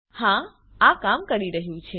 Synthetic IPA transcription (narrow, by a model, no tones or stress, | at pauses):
hã | akamkəɾiɾəɦjũt͡ʃʰe